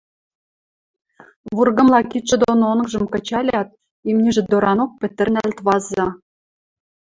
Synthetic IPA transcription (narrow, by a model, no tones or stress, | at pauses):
βurɡɤ̆mlˠɑkit̪ʃĕd̪ononɤ̆kʒɤ̆mkɤ̆t͡ɕɑlʲɑt̪̚ | imnʲiʒɘ̆d̪oɾʔɑnok̚pɘ̆t̪ɘ̆nælt̪βɑzɑ